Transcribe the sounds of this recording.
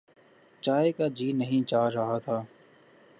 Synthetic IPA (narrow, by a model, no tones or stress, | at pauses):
t͡ʃaːekaːd͡ʒiːnəɦĩːt͡ʃaːɾəɦaːt̪ʰaː